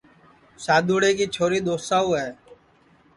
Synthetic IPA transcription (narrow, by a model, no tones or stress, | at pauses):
saːd̪uːɽeːkiːt͡ʃʰoːɾiːd̪oːsaːuːɦɛː